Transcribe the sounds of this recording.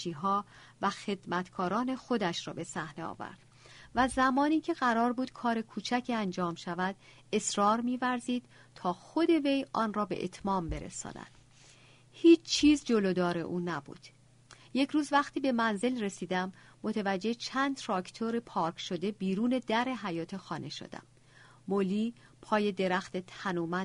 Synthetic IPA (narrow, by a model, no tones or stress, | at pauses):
iːɦɒː | væxe̞d̪mæt̪kʰɒːɾɒːne̞xo̞d̪æʃɾɒ̰ːbe̞sæhne̞ɒ̰ːvæ̰ɾd̪̥ | væzæmɒːniːcʰe̞ɣæɾɒːɾbuːd̪̥kʰɒːɾe̞kʰuːt͡ʃʰæcʰiænd͡ʒɒːmʃævæd̪̥ | e̞sɾɒːɾmiːvæɾziːd̪̥ | t̪ʰɒːxo̞d̪e̞ve̞jʔɒːnrɒːbe̞ʔḛt̪ʰmɒːmbe̞ɾḛsɒ̰ːnæ̰d̪̥ | hiːt͡ʃʰt͡ʃʰːiːzd͡ʒolod̪ɒːɾe̞̰ʔuːnæbṵːd̪̥ | je̞cʰɾuːzvæxt̪ʰiːbe̞mænze̞lre̞siːd̪æmːot̪ʰevæd͡ʒːe̞t͡ʃʰæːnd̪ʰɾɒːkʰt̪ʰoɾepʰɒːɾkʰʃod̪e̞biːɾuːne̞d̪æɾe̞ɦæjɒːt̪ʰe̞xɒːnʔe̞ʃo̰d̪̥æ̰mː | oliː | pʰɒːje̞d̪e̞ɾæxt̪et̪ʰænuːmæ